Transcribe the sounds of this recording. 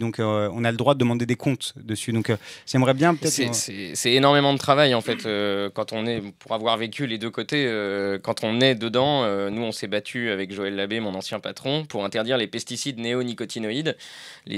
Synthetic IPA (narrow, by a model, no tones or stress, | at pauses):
d̪ɔ̃kɔ̰̃naləd̪ʁwad̪əd̪əmɑ̃d̪ed̪ekʰɔ̃t̪d̪əsyd̪ɔ̃kʒɛmʁɛbjɛ̃pøt̪ɛtsɛsɛsɛenɔʁmemɑ̃d̪ət̪χavajɑ̃fɛt̪ʰøkɑ̃t̪ɔ̃nɛpuʁavwaʁvekʲyled̪økot̪eøkɑ̃t̪ʰɔ̃nɛd̪əd̪ɑ̃ønuɔ̃sɛbat̪ʰyavɛkʒoɛlːabemɔ̃nɑ̃sjɛ̃pat̪χɔ̃puʁɛ̃t̪ɛʁd̪iʁlepɛst̪isid̪neonikɔt̪inɔid̪lḛ